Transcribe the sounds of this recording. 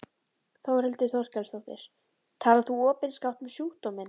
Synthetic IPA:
θowɾɛlt̪ɪθɔwr̥cɛlsawht̪ɪ̰ɾ̥ | t̪ʰaːlaθuɔːpɪnskawht̪mɛsjuːht̪ɔmɛn

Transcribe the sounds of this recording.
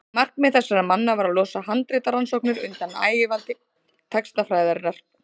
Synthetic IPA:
mar̥knmɛθɛsːaɾamanːavaɾaðlɔːsaɦant̪ɾɪt̪aɾansɔknɪɾʏ̰nt̪ana̰ːjɪvant̪ɪ | t̪ʰɛkst̪afɾaːjðaɾrar̥p

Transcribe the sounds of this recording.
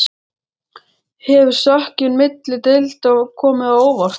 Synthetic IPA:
hɛvʏɾ̥sahcɪnmɪt̪lɪt̪ɪlt̪ɔɣkʰɔːmɪðaoːwvar̥

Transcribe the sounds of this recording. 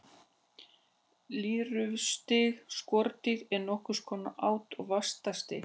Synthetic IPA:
liːɾʏvst̪ɪɣskɔɾt̪ɪɣɛɾnɔhkʏskʰɔːnaʔaːwt̪ɔɣvast̪ast̪ɪ

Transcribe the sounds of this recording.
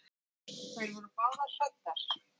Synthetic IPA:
kʰvajɾvɔɾʏpaːlḁsat̪ːaɾ̥

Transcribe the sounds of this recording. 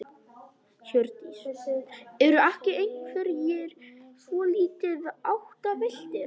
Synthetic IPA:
çœɾt̪i | ɛɾʏahcɪejnkʰfvɛɾjɛɾ̥svɔliːt̪ɪðawht̪avɪl̥t̪ɪɾ

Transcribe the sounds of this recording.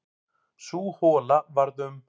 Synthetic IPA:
suːhɔːlavaɾðʏm

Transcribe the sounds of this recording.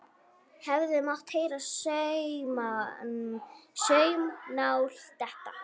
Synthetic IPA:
hɛvðʏmawht̪heːjɾasœɥma | sœɥmnawl̥t̪ɛht̪a

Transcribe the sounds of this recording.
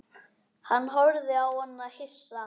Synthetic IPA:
hanːɦɔɾðɪawhɔnːahɪsːa

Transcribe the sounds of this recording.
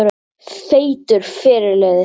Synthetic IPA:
ɾ | θeːjt̪ʏɾ̥fɛːɾɪlɛːðɪ

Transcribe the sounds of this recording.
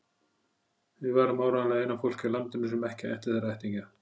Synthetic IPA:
vɪvaːɾʏmawɾaðlaɣejnafowl̥cɪlant̪ɪnʏsʏmɛhcɪɛ̰ht̪ɪɾθɛraɛjht̪iɲca

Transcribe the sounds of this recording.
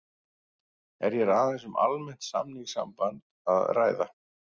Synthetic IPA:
ɛɾjɛɾaθɛsʏmʔa̰lmɛn̥t̪sa̰mniŋsa̰mpant̪̚ | aðraːjða

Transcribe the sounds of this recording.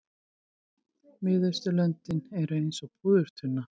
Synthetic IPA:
mɪːðʏɾst̪ʏlœnt̪ɪnɛɾejnsɔpʰuːðʏɾ̥t̪ʰhʏnːa

